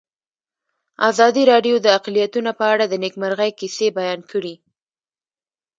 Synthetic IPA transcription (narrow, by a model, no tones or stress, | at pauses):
azɑd̪iɾɑɖjod̪əaqlijat̪unapəaɽad̪ənekmaɾɣajkisebajɑnkʰəɽi